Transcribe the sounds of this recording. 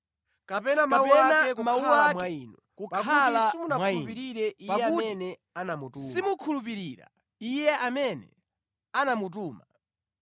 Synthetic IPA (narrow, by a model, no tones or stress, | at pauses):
kapɛnamaɛanaɛkmauaamwainɔkupkaalaimunakaupiɾiɾɛiaɛakunɛ | anamutusimukʰulup̬iɾiɾa̰ | ijɛʔamɛnɛ̰ | anamut̬uːma